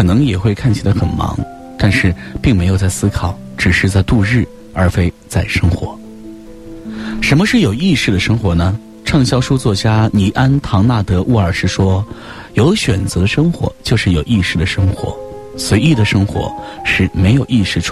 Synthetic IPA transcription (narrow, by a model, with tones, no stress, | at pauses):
kʰɤ˨˩nɤ˧˥ŋjɛ˨˩xwe˥˧ɪkʰa˥˩nt͡ɕʰi˨˩la˧˥ɪxə˨˩nmɑ̰˧˥ŋ | t̪a˥˧nʂɻ̩˥˧pi˥˩ŋme˧˥ɪjʊt͡s̬a˥˩ɪsɹ̩˥kʰɑ˨˩˦ʊ | ʈ͡ʂɻ̩˨˩ʂɻ̩˥˧t͡sa˥˧ɪt̪u˥˧ɻɻ̩˥˩ | ə˞˧˥fe˥ɪt͡sa˥˩ɪʂɤ˥ŋxwɔ̰˧˥ | ʂə˧˥nmə˧ʂɻ̩˥˩jo˨˩ʊi˥˧ʂɻ̩˥˩d̪ə˩ʂɤ˥ŋxwɔ˧˥nə˧ | ʈ͡ʂʰɑ˥˩ŋɕjɑ˥ʊʂu˥t͡swɔ˥˩t͡ɕja˥ni˧˥˩ʔa˥nt̪ʰɑ˧˥ŋna˥˩t̪ɤ˧˥ʔu˥˩ə˞˨˩ʂɻ̩˥˩ʂwɔ˥ | jo˧˥ʊɕɥɛ˨˩nt͡sɤ˧˥d̪ə˧ʂɤ˥ŋxwɔ̰˧˥t͡ɕjo˥˧ʊʂɻ̩˥˩jo˨˩ʊi˥˧ʂɻ̩˥˩d̪ə˩ʂɤ˥ŋxwɔ̰˧˥ | swe˧˥ɪi˥˩d̪ə˩ʂɤ˥ŋxwɔ̰˧˥ʂɻ̩˥˩me˧˥ɪjo˨˩ʊi˥˧ʂɻ̩˥˩ʈ͡ʂʰ